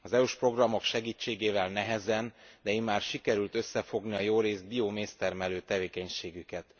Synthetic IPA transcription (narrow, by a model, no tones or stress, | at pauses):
ɒzɛuʃpro̞ɡrɒmo̞kʃɛɡiːt͡ʃːeːɡeːvɛlnɛɦɛzɛnd̪ɛimːaːrʃikɛɾylt̪ø̞sːɛfo̞ɡniɒjoːɾeːzd̪̚biomeːst̪ɛrmɛløːt̪ɛveːkɛɲʃeːɡykɛt̪